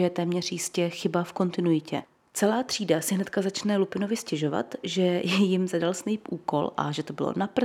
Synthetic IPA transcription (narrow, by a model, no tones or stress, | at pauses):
jɛt̪ɛːmɲɛrjɪscɛxɪbafko̞nt̪ɪnujɪcɛ | t͡sɛlaːt̪r̝̥iːdasɪɦnɛt̪kazat͡ʃnɛlupɪno̞vɪscɛʒo̞va̰t̪ʒɛjjɪmzadalsnɛjpʔuːko̞̰lʔa̰ʒɛt̪o̞bɪ̰lo̰napr̩